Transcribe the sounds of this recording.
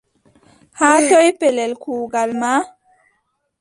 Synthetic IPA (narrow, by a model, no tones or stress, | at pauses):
hatɔjpɛlɛlkuːɡalma